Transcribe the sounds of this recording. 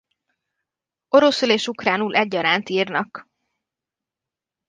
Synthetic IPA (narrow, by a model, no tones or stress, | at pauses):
o̞ɾosyleːʃukraːnuːlʔɛɟːɒɾaːnt̪iːrnɒk